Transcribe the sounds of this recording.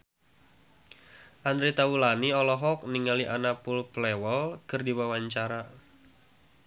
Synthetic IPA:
ʔand̪ɾit̪awulaniɔlɔɦɔk̚niŋaliʔanapulplɛwɔlkərdiwawaɲt͡ʃaɾa

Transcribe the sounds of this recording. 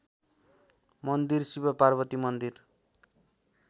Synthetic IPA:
mʌnd̪irsibʌparbʌt̪imʌnd̪ir

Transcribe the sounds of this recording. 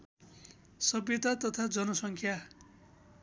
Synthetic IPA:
sʌbjet̪at̪ʌt̪ʰad͡zʌnʌsʌŋkʰja

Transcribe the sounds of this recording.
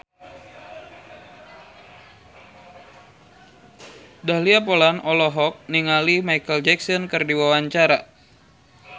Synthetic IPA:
daliapolanʔɔlɔɦɔk̚niŋalimajkəld͡ʒɛksɔnkɨrdiwawaɲt͡ʃaɾa

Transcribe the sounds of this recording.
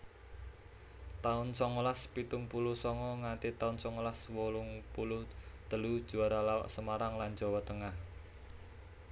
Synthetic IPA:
t̪aʊnsɔŋolaspit̪ʊŋpulʊhsɔŋɔŋant̪it̪aʊnsɔŋolaswolʊŋpulʊht̪əlud̥ʒ̥ṳaɾalawa̰ʔsəmaɾaŋland͡ʒɔwɔt̪əŋah

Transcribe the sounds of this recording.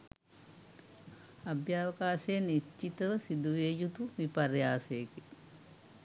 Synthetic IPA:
abjaːʋɐkaːsejəniʃt͡ʃːit̪əʋəsid̪uʋeːjut̪uʋipaɾjaːsejke

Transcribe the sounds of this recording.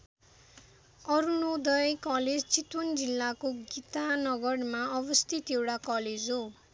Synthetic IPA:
ʌɾunod̪ʌjkʌled͡zt͡sit̪wʌnd͡zilːakoɡit̪anʌɡʌrmaʌbʌst̪ʰit̪ewɽakʌled͡zɦo

